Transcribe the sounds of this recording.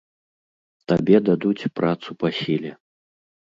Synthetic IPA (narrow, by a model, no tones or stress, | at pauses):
t̪abʲɛd̪ad̪ut͡sʲpɾʔat̪supasʲilʲɛ